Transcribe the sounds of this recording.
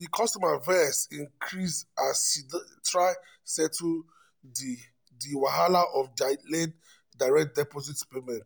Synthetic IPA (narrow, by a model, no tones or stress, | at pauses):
dikʰɔstɔmavɛsĩŋkʰɹisasidtɹaɪ | sɛtʰu | di | diwaɦalaʔɔfdalen | daɪɹɛk̚t̚dɛpɔzitpemɛ̃nt